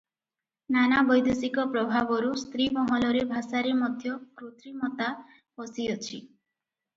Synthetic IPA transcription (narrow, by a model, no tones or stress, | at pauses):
nanabɔjd̪esikɔpɾɔbʱabɔɾust̪ɾimɔɦɔlɔɾebʱasaɾemɔd̪ʱjɔkɾot̪ɾimɔt̪a | pɔsiɔt͡ʃʰi